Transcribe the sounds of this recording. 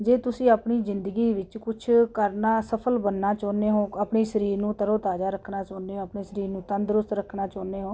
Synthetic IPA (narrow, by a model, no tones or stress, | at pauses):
d͡ʒeːt̪ʊsĩːaːpɳiːzɪnd̪əɡiːʋɪt͡ʃkʊt͡ʃʰkəɾnaːsəpʰəlbənːaːt͡ʃɔːneːɦõːapɳeːsəɾiːɾnũːt̪əɾoːt̪aːd͡ʒaːɾəkʰːnaːt͡ʃɔːneːɦõːəpneːsəɾiːɾnũːt̪ənd̪ɾʊst̪ɾəkʰnaːt͡ʃɔːneːɦõː